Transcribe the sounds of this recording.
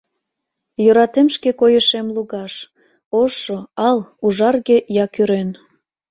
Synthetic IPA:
jøɾɑt̪emʃkekojəʃemluɣɑʃ | oʃoɑluʒɑrɣejɑkyɾen

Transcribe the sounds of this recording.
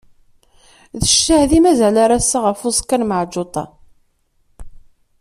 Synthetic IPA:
ðəʃːahðimæzælaɾasːaʁəfʊskːænməʕd͡ʒot̪ˤɑ̰

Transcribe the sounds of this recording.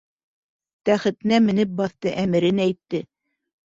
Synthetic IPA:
t̪æχɘ̆t̪ɘ̆næmɘ̆nɘp̚bɑθt̪ɤʔæmɘ̆ɾɘnæjt̪ːɘ

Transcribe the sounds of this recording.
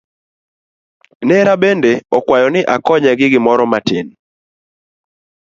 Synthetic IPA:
nɛɾabendeɔkwajɔnɪʔakɔɲɛɡɪɡɪmɔɾɔmatɪn

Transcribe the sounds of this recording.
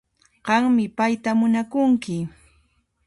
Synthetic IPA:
ɢ̥ɑŋmɪpajt̪amʊnakʊŋkɪ

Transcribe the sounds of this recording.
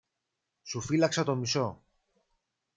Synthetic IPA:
sufilɐksɐt̪o̞miso̞

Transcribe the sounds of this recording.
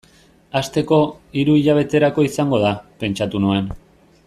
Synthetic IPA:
ast̪e̞ko̞iɾuiʎaβ̞e̞t̪e̞ɾako̞isaŋɡo̞ð̞ape̞nt͡ʃat̪unuen

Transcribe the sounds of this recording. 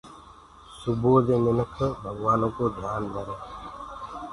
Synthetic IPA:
suboːd̪eːnɪnəkʰəbʱəɡʋaːnõːkoːd̪ʱjaːnkəɾeː

